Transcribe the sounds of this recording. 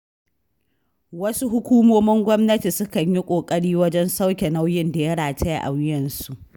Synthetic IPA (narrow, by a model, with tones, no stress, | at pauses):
wɐ˦su˦ɦʊ˦kʷuː˦moː˦mɪ˦ŋɡʷɔ˦mnɐ˦ti˨sʊ˦kɐ˨ɲji˦kʷʼoː˨kʼɐ˦ɽiː˦wɐ˦d͡ʒɛ˦nsa˦wkʲɛ˨na˦wjɪ˦nda˨jɐ˦ɽaː˨te˦ja̰˨ʔa̰˨wɪ˦jɐ˨nsu˨ʔ